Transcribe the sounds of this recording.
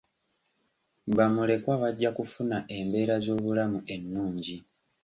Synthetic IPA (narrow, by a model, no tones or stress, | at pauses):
βamule̞kwaβaɟːakufunaʔe̞mbe̞ːɾazo̞ːβulamuʔe̞nːuːɲɟi